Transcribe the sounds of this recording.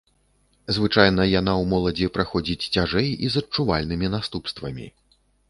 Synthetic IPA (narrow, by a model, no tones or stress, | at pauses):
zvɨt͡ʂajnɐjan̪awmɔlˠɐd͡zʲipɾaxɔd͡zʲit͡sʲt͡sʲaʐɛjizɐt͡ʂuvalʲnɨmʲinast̪upst̪vɐmʲḭ